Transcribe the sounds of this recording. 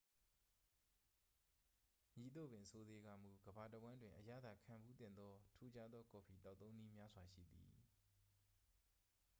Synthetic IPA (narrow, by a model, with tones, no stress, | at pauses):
ɲi˨t̪o̰˦˨bɪ̃˨sʰo˦ze˦ɡa̰˨m̥u˨ɡəba˨təwã˦ndwɪ̃˨ʔəja̰˦˨d̪a˦˨kʰã˨mbu˦t̪ɪ̰̃˨nd̪ɔ˦tʰu˦d͡ʑa˦d̪ðɔ˦ko˨pʰi˨t̪a˦˨t̪ːõ˦ʊ̃ni˦mja˦zwa˨ʃḭ˦˨d̪ḭ˨